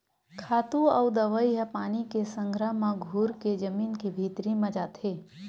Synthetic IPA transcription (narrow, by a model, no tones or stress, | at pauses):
kʰaːt̪uəʊd̪əʋəiɦɛpaːnikesə̃ŋɡʱɾəmːãɡʱuːɾked͡ʒəmiːnkibʱiːt̪ɾiməd͡ʒaːt̪ʰeː